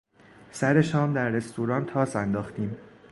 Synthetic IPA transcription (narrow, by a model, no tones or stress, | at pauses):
sæɾe̞ʃɒːmd̪æɾːe̞st̪ʰuːɾɒːnt̪ʰɒːsænd̪ɒːxt̪iːm